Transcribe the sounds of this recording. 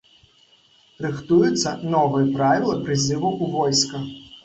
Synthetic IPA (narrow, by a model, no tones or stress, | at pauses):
rɨxt̪ujut̪sːɐnɔvɨjɐpɾavʲilˠɐpɾɨzɨvuʔuvɔjskɐ